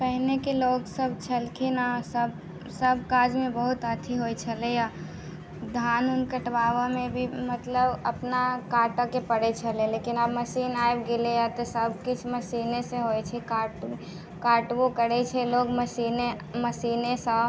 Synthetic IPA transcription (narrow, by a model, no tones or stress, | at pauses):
pəɦnekeloksəbʱt͡ʃʰəlkʰinasəb | səbʱkad͡ʒmebəɦut̪ət̪ʰiɦojt͡ʃʰəleja | d̪ʱanunkəʈbaʋəmebʱimət̪ləbəpnakaʈəkepəɽɛt͡ʃʰəlelekinabməsinaebɡelejat̪ɔsəbʱkit͡ʃʰməsinesẽɦojt͡ʃʰɛkaʈ | kaʈwokəɽɛt͡ʃʰɛlokməsine | məsinesə̃